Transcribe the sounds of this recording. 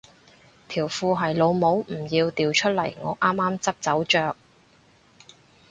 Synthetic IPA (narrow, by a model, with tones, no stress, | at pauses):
t̪ʰiː˨˩wfuː˧ɦɐ˨jlo˨˧wmo˨˥wm̩˨˩jiː˧wt̪iː˨wt͡ʃʰɵ˥t̚lɐ˨˩jŋɔ̰ː˨˧ʔaː˥mːaː˥mt͡sɐ˥p̚t͡sɐ˨˥wt͡ʃœː˨k̚